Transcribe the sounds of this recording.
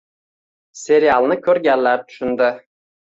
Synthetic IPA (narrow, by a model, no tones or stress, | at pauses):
sʲeɾijalˠnɪkʲʰɵɾɡʲælːæɾt̪ʰʊ̥ʃʏnd̪ɪ